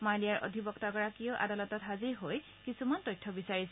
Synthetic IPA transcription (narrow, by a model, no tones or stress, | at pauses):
malijaɹʔo̰dʱibɔktaɡɔɹakiɔʊʔa̰dalɔtɔtɦaziɹɦoj | kisumantɔjtʰːɔbisaɹisɛ